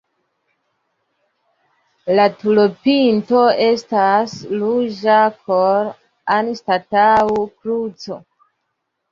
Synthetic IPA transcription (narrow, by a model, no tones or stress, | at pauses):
latulopinto̞e̞staslud͡ʒapʰoɾ | anstataukɾut͡so̞